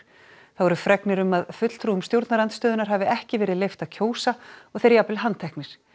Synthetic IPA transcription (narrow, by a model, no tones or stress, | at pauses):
θaðvɔɾʏfɾɛknɪɾʏmaðfʏt̪l̥t̪ʰɾuːʏmst̪jowɾt̪naɾant̪st̪œːðʏnaɾɦavɪɛhcɪvɛːɾɪðlejft̪aðcʰoːwsaɔɣθejɾjaplɪɦant̪ʰɛhknɪɾ̥